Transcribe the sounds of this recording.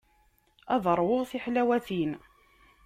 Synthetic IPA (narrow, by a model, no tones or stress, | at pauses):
ɑðˤəɾˤwoʁθiħlæwæθin